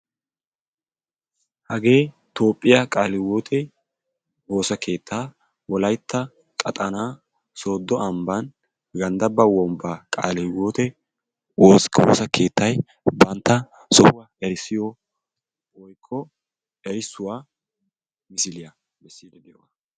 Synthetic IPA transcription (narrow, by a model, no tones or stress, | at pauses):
hɐɡe̞ː | t̪o̞ːpʼːɪjɐkʼaːlɪwoːt̪ʰɛ | o̞ːsɐke̞ːt̪ʰːaː | wɔlɐjt̪ʰːɐ | kʼɐt̪ʼɐnaː | so̞ːd̪ːɔɐmbɐn | ɡɐnd̪ɐbɐwɔmbaːkʼa̰ːlɪwoːt̪ɛ | oso̰ːsɐke̞ːt̪ʰːɐj | bɐnt̪ːɐ | sɔhʊwajɐɾɪsːɪjɔ | wɔjkʰːɔ | ɛjɪsːʊwaː | mɪsɪlɪjɐ | mɛsːid̪ɛd̪ɪjɔwa